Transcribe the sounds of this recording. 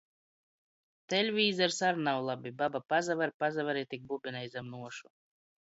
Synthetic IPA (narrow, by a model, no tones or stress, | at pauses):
t̪ɛlʲvʲiːzaɾsaɾnawlˠabʲibabapazavaɾpazavɛɾit̪ʲik̚bubʲinajzamnuɔʃu